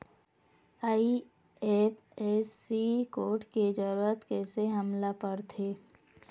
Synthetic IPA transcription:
aːi | eːpʰ | eːsikoːʈked͡ʒəɾuət̪kɛːseɦɐmlapəɾt̪ʰeː

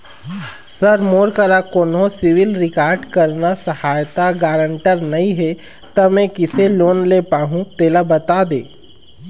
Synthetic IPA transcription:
sɐɾmoːɾkəɾakoːnɦõsɪʋɪlɾɪkaːɾɖkɐɾnasɐhaːjt̪aɡaːɾə̃ɳʈəɾnɐɦĩɦɛ | t̪ɐmɛ̃kɪseloːnleːpaːɦũt̪eːlabɐt̪aːd̪eː

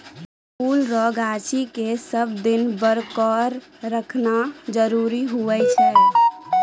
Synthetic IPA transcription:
pʰulɾɔɡat͡ʃikesəbd̪inbəɾkəɾː | əkʰnad͡ʒəɾuɾiɦuɛt͡ʃʰɛ

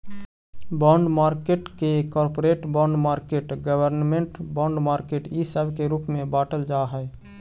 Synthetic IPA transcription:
bɔ̃ɳɖmaɾkeʈkekɔɾpoɾeʈbɔ̃ɳɖmaɾkeʈɡəbəɾnmeɳʈbɔ̃ɳɖmaɾkeʈisəbʱkeɾupmebaʈəld͡ʒaɦə

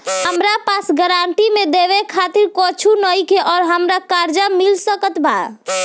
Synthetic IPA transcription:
ɦəmɾapasɡəɾaɳʈimẽd̪eʋekʰat̪iɾkɔt͡ʃʰunəikeʔɔːɾɦəmɾakaɾd͡ʒamilsəkət̪bʱa̰

